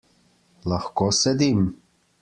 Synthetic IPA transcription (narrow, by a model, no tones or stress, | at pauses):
lahkosɛd̪im